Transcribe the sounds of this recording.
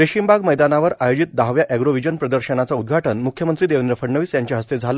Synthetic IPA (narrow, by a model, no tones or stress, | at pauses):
ɾeɕimbaɡməjd̪anaʋəɾajod͡ʑit̪̚d̪aɦʋjaʔɛɡɾoʋid͡ʑənpɾəd̪əɾɕənat͡saud̪̚ɡʱaʈənmukʰjəmənt̪ɾiːd̪eʋnɾəfəɽɳəʋiːsjaɲt͡ɕjaɦəst̪ed͡zʱal